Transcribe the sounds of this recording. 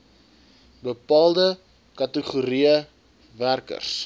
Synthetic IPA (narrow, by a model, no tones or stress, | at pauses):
bəpɑːlˠdə | kɐtəχuɾiə | værkə̰rs